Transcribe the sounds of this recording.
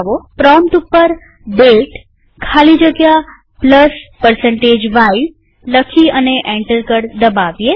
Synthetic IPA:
ʋopɾɔmt̪upːəɾ | belʈ | kʰalid͡ʒəɡja | pləspəɾsəɳʈed͡ʒʋai | ləkʰiəneʔɛ̃ɳʈəɾkəɽd̪əbaʋje

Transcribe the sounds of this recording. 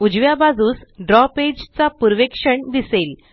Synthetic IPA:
ud͡ʑʋjabad͡zuːsɖɾɔped͡ʑt͡sapuɾʋekʂəɳd̪isel

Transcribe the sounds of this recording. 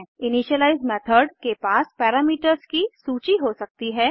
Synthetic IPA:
ɪniʃəlaːɪzɖmɛːt̪ʰəɾɖkepaːspɛːɾaːmiːʈəɾzkisuːt͡ʃiɦosɐk̚t̪iɦɛː

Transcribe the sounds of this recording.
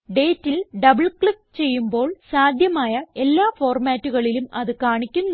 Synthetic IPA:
ɖe̞ːtːilɖɐbɨɭkɭik̚t͡ɕe̞jːumbo̞ːɭsaːd̪ʱjɐmaːjɐe̞lːaːfo̞ːrmaːtːuɣɐɭilumɐðɨkaːɳikʲːunː

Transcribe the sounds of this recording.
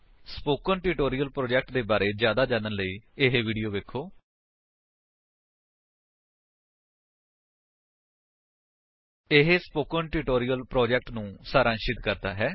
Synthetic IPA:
spoːkənʈɪːʈoːɾijəlpɾoːd͡ʒɛk̚ʈd̪eːbaːɾeːd͡ʒjaːd̪aːd͡ʒãːnənləiːɪɦeʋiːɖijoːʋeːkʰːoː | ɪɦspoːkənʈɪːʈoːɾijəlpɾoːd͡ʒɛk̚ʈnũːsaːɾaːnʃɪt̪kəɾd̪a̰ːɦɛː

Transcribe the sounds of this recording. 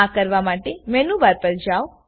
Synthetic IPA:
akəɾʋamaʈemɛnuʋaɾpəɾd͡ʒaw

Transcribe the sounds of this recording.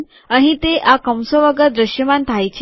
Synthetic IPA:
aɽ̃it̪eʔakəmsəʋəɡəd̪ɾəɕjəmant̪ʰajt͡ɕʰ

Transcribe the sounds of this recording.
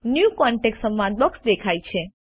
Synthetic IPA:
njukɔɳʈeksəmːãd̪̚bɔksd̪ekʰajt͡ʃʰe

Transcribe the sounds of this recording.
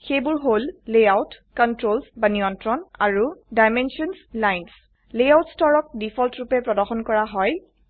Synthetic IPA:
xejbʊɹɦolːejawt | kɔntɹolsbanijɔntɹɔnaɹudajmɛnsiɔnslajns | lejawtstɔɹɔk̚difʰɔltɹupɛpɹɔdɔxɔnkɔɹaɦɔj

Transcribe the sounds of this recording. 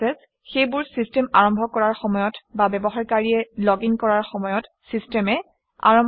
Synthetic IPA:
ɛs | xejbʊɹsistɛmaɹɔmbʱɔkɔɹaɹxɔmɔjɔtbabɛbɔɦaɹkaɹiɛlɔɡiŋkɔɹaɹxɔmɔjɔt | sistɛmɛ | a̰ɹɔm

